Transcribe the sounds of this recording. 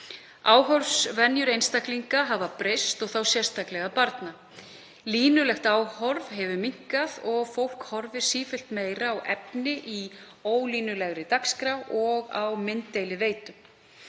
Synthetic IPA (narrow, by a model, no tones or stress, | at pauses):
aːwɦɔɾvsvɛnjʏɾejnst̪akliŋkaɦavapɾejst̪ɔɣθawsjɛr̥st̪aklɛɣapaɾt̪na | liːnʏlɛxt̪aːwhɔɾvɦɛvʏmiŋ̥kaðɔɣfowl̥khɔɾvɪ̥siːfɪl̥t̪meːjɾaːwʔɛpnɪʔioːwliːnʏlɛɣɾɪt̪akskɾawɔɣawmɪnt̪ːejlɪveːjt̪ʏm